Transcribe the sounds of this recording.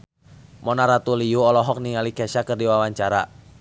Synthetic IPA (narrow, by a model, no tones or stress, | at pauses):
mɔnaɾat̪ulijuɔlɔɦɔk̚niŋalikɛʃakɨrdiwawaɲt͡ʃaɾa